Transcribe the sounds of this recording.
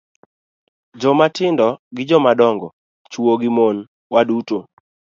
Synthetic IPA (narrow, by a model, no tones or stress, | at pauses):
d͡ʒɔmatɪndɔɡɪd͡ʒɔmadɔŋɡɔ | t͡ʃwoɡɪmon | waduto